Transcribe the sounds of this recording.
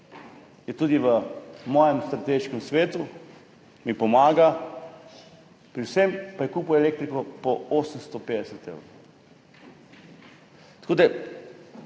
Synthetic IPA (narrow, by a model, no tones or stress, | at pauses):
jɛt̪ud̪iʋəmɔːjɛmst̪ɾat̪eːʃkɛmsʋeːt̪u | mipɔmaːɡa | pɾiwsɛmpajɛkuːpuɛleːk̚t̪ɾikɔpɔoːsəmst̪ɔpeːd̪ɛsɛt̪ḛːwɾo | t̪akoːd̪a